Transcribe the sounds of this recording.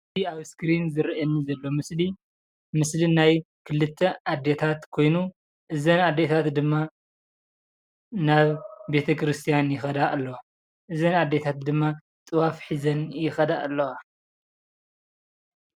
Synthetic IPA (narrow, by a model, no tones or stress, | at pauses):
t̪iaβskɾinzɨɾʔɐnːizɐlːo̞mɨsli | mɨslinaj | kʰɨlɨt̪ʰːɐad̪ːet̪ʰat̪kʰo̞jnu | ʔɨzɐnad̪ːet̪ʰat̪d̪ɨmːa | naβbe̞t̪ʰɐkʰɾɨst̪ʰijanjɪxɐd̪aʔlːo | ʔɨzɐnad̪ːe̞t̪ʰat̪̚d̪ɨmːa | t͡s̪ʼɨwafħizɐnjɪxɐd̪aʔalːɐa